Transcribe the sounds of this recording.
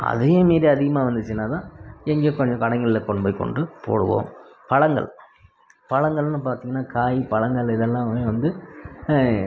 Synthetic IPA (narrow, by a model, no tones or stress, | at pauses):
ɐ̰ðejemeːɾiɐðɪɣɐmaːʋɐnd̪ɯt͡ʃːɯnːaːt̪ãːɛŋɡeːkɔɲd͡ʒɔ̃kɐɽɐŋɡɐɭɪlːɐkɔɳbɐːɪkːɔ̰ɳɖɯpo̰ːɽɯʋõ̰ːm | pɐɭɐŋɡɐ̰ɭ | pɐɭɐŋɡɐɭnːɯpaːɾt̪iːŋɡɐnːaːkʰaːjipɐɭɐŋɡɐɭɪðɛlːãːmeːʋɐnd̪ɯ